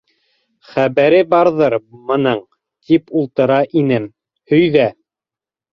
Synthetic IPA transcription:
χæβæɾɘbɑɾðɤɾmɤ̆nɤɴ | t̪ipulˠt̪ɤ̆ɾɑʔinɘm | hɵ̆jðæ

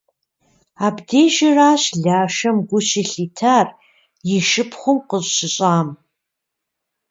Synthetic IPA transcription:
aːbdeːʒɪraːɕɮaːʃɐmɡʷʊɕɪɬiːtʰaːr | jɪʃɪpʰχʷʊmqəʑɕɪɕʼaːm

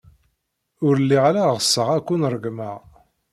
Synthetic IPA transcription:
ʊɾəlːiʁalaʁəsːəʁækʷːunɾˤəɡməʁ

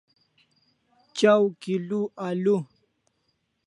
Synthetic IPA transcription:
t͡ʃawkɪluʔalu

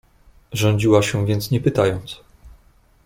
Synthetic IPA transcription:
ʐɔ̃ɲd͡ʑiwaɕɛvʲjɛnt̪sɲɛpɘt̪ajɔnt̪s

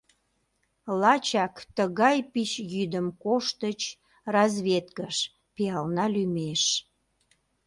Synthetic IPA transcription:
lɑt͡ɕɑkt̪əɣɑjpit͡ɕjyd̪əmkoʃt̪ət͡ɕ | rɑzβʲet̪kəʃ | piɑlnɑlymeʃ

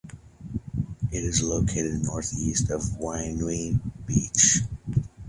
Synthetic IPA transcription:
ɪɾɨzloʊkʰeɪɾɨdnɔɹθistʰʌvwãɪ̃nwĩnbit͡ʃ

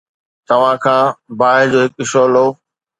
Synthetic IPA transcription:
t̪ɐʋ̤ãkʰãːbaːɪd͡ʑoːɦɪkɪʃoːloː

